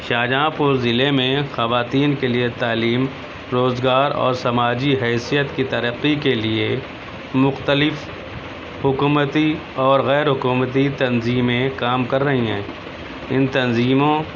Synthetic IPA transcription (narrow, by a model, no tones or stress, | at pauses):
ʃaːd͡ʒãːpʊɾzɪlemẽxɐʋaːt̪iːnkeliet̪aːliːm | ɾoːzɡaːɾɔ̰ːɾsɐmaːd͡ʒiɦɛːsijət̪kit̪ɐɾəqːikelie | mʊxt̪əlɪf | hʊkuːmət̪i | ɔːɾɣɛːɾɦʊkuːmət̪it̪ɐnziːmẽkaːmkɐɾːɐɦiɦɛ̰̃ː | ɪnt̪ɐnziːmõ